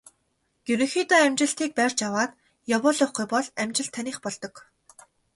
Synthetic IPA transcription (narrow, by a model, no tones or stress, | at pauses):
ɡ̥ʲuɾɵ̆ŋxit̪ɔæmt͡ɕɪ̆ɬt̪iːk̚pærʲt͡ɕjawaːt̪ | jɔwɔɮʊχɡujpɔɮæmt͡ɕɪ̆ɬt̪ʰːanʲiːχpɔɮt̪ɞ̆k